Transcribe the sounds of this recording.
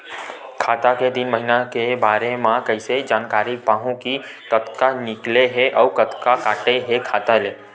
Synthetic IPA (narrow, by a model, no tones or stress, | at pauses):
kʰaːt̪aked̪ɪnməɦɪnakebaːɾemãkɐɪsed͡ʒaːnkaːɾipaːɦũki | kɐt̪kanɪkleɦɛʔɔːkɐt̪kakaːʈeɦekʰaːt̪aleː